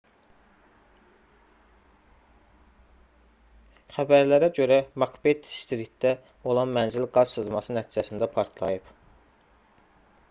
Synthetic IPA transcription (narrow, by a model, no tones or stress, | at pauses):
χæbæɾlæɾæɟø̞ɾæmɑkʰbet̪ʰst̪iɾit̪d̪æ | o̞lˠɑnmænzilɡɑz̥sɯzmɑsɯnæt̪ʰiːd͡ʒæsind̪æpʰɑɾt̪ʰlˠɑ̰jɯp